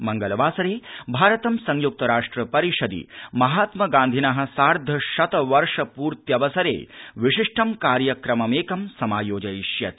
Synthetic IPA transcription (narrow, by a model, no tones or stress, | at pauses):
mɐŋɡɐlʋaːsɐɾeːbʱaːɾɐt̪ɐmsɐŋjuk̚t̪ɐɾaːʂʈɾɐpɐɾiʂɐd̪ḭmɐɦaːt̪mɐɡaːnd̪ʱinaɦɐ̆saːɾd̪ʱɐʃɐt̪ɐʋɐɾʂɐpuːɾt̪jɐʋɐsɐɾḛːʋiʂiʂʈʰɐmkaːɾjɐkɾɐmɐmeːkɐmsɐmaːjoːd͡ʒɐjiʃjɐt̪